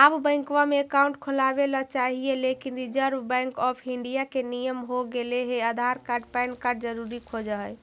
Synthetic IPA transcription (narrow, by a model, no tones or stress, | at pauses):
abbə̃ɪ̃kʋameːkauɳʈkʰolabelɔt͡ʃaɦielekinɾid͡ʒəɾbbɛ̃ŋkɔpʰiɳɖijakenijəmɦoɡeleɦeəd̪ʱaɾkaɾɖpajnkaɾɖd͡ʒəɾuɾikʰod͡ʒəɦəj